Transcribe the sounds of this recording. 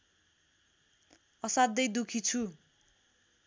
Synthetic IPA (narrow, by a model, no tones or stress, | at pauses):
ʌsad̪ːʌjd̪ukʰit͡sʰu